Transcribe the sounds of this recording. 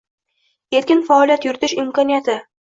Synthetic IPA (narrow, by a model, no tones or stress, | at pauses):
e̞t̪kʲɪnfaɒlˠijat̪jʊɾɪt̪ʰɪʃɪmkʰɒnijat̪ʰɪ